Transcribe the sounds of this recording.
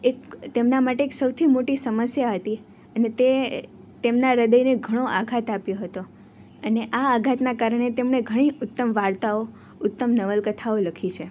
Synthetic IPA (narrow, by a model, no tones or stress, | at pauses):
ekt̪emnamaʈeːksəwt̪ʰimoʈisəməsjaɦət̪i | ənet̪e | t̪emnaɾəd̪əjneɡʱəɽ̃oʔaɡʱat̪apjoɦət̪o | əneʔaːɡʱat̪nakaɾəɽ̃et̪emɳ̃eɡʱəɽ̃iʊt̪ːəmʋaɾt̪ao | ʊt̪ːəmnəʋəlkət̪ʰaoləkʰit͡ʃʰe